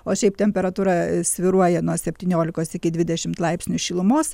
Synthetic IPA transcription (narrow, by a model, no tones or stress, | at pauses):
oːʃʲɛɪp̚t̪ʲɛmʲpʲɛɾɐt̪uːɾɐsʲʋʲɪɾuɔjɛnuɔsʲɛpʲt̪ʲiːnʲoːlʲɪkoːsɪkʲɪd̪ʲʋʲɪd̪ʲɛʃʲɪmt̪lˠɐɪpsʲnʲʊʃʲɪlˠʊmoːs